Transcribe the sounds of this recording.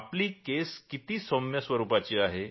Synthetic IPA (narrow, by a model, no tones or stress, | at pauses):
pliːkeskit̪iːsomjəsʋəɾuːpat͡ɕiːaɦe